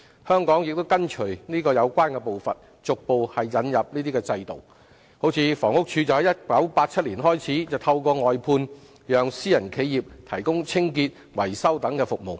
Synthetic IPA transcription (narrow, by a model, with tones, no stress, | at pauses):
hœː˥ŋkɔː˨˥ŋjɪ˨k̚t̪o˥wkɐ˥nt͡ʃʰɵ˨˩ɥniː˥kɔː˧jɐ˨˧wkʷaː˥nkɛ˧po˨wfɐ˨t̚ | t͡sʊ˨k̚po˨˧whɐ˨jːɐ˨˧njɐ˨p̚niː˥t̪̬iː˥kɛː˧t͡sɐ˧jt̪o˨w | ho˨˥wt͡sʰiː˧fɔː˨˩ŋʊ˥k̚t͡ʃʰyː˧t͡sɐ˨whɐ˨˥jɐ˥t̚pɐ˨˥wpaː˧t̚t͡sʰɐ˥t̚liː˨˩nɦɔː˥jt͡sʰiː˨˥t͡sɐ˨wt̪ʰɐ˧wkɔː˧ŋɔː˨jpʰuː˧n | jœː˨˧ŋsiː˥jɐ˨˩nkʰe˨˧jjiː˨p̚t̪ʰɐ˨˩jkʊ˥ŋt͡sʰɪ˥ŋk̬iː˧t̚ | wɐ˨˩jsɐ˥wt̪ɐ˨˥ŋkɛː˧fʊ˨k̚mo˨˩w